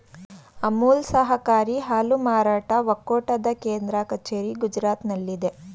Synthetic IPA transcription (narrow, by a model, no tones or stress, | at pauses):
ɐmuːlsɐɦɐkaːɾiɦaːlumaːɾaːʈɐʋɐkːoːʈɐd̪ɐkeːnd̪ɾɐkɐt͡ʃeːɾiɡud͡ʒɾaːt̪nɐlːid̪e